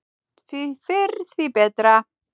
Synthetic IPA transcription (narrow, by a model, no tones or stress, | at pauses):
fifɪrθvibɛdra